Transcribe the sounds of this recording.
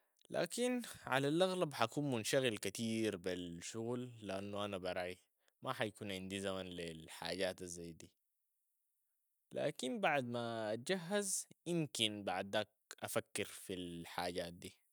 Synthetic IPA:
lʔa̰ːkinʕalalʔaɣlabħakuːnmunʃaɣilkat̪iːɾbilʃuɣlːiʔanːuʔanabɑɾˤɑːʕʔi | mʔaħajkuːnʕind̪izamanlilħa̰ːɟaːt̪azːajd̪iː | la̰ːkinbaʕd̪maʔːt̪̚d͡ʒaɦːazjimkinbaʕd̪aːk̚ | ʔafakːiɾfilħaːɟaːt̪̚d̪iː

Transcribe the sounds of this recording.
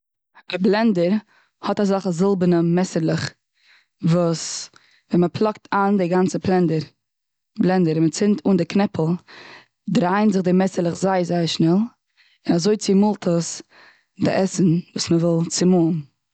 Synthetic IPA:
əblˠɛndəɾ | hɔtazaχəzɪlˠbənəmɛsəɾlˠɪχ | vuːs | vɛməpʰlˠɔk̚tʰaːndɪɡant͡səplˠɛndəɾ | blˠɛndəɾɪmət͡sɪntʰuːndɪknɛpʰl̩ˠ | dɾaɪnzɪχdɪmɛsəɾlˠəχzaɪɾzaɪəɾʃnɛlˠ | ɪnazoɪt͡sɪmʊlˠtʰəs | dɪ̰ʔɛsn̩vuːsməvɔlˠt͡sɪmun

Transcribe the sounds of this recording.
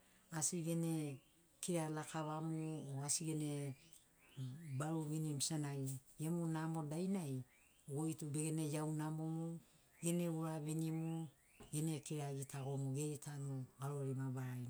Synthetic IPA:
asiɡe̞ne | kiɾalakaβamuoasiɡene | baɾuβinimsanajemunamo̞dajnaj | ɡojtube̞ɡene̞jawnamo̞mu | ɡe̞neuɾaβenimu | ɡene̞kiɾaɡitʰaɡo̞muɡe̞tʰanuɡaɾoɾimabaɾajn

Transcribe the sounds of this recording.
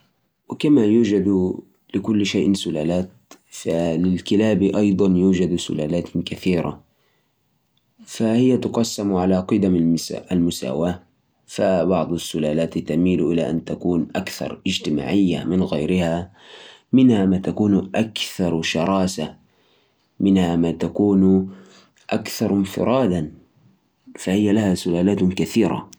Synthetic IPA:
wɪkamajuːd͡ʒad̪ | lɪkʊlːʃaːʔsʊlaːlaːt̪̚ | falɪlkɪlaːbiʔɑjd̪ˤɑnjuːd͡ʒad̪sʊ̰la̰ːlaːt̪kaθiːɾa̰ | fahɪjːat̪ʊqɑsːamʕalaqɨd̪amʔalmʊsa̰ːwaː | fabɑʕd̪ˤasːʊlaːlaːt̪t̪amiːlʔɪlaʔa̰nt̪akuːnʔakθɑ̰ɾˤʔɪd͡ʒt̪ɪma̰ːʕɪjːa̰mɪnɣajɾɪha | mɪnhamaːt̪akuːnʔakθɑɾˤʃɑɾˤɑːsa | mɪnhamaːt̪akuːn | ʔakθɑɾˤɪnfɪ̰ɾˤʔɑːd̪an | fahɪjːalahasʊlaːlaːt̪kaθiːɾa̰

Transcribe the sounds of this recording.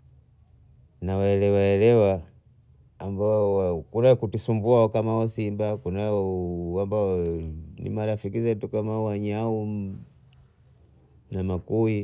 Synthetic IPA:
nawaɛlɛwaɛlɛwaː | mbawakuɾakutisumbuaɔkamaɔsimbakunawambaɔnḭmaɾafikizɛtukamawaɲau | namakui

